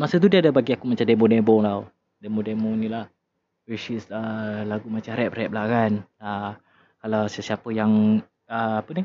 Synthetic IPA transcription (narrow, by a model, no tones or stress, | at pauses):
masət̪̬udiadabaɡiakumat͡ʃamdɛmodɛbɔŋlaw | dɛmodɛmonĩlah | wit͡ʃisəlaɡumat͡ʃaɾɛp̚ɾɛp̚lakana | kalawsəsiapəjaŋ | əapəni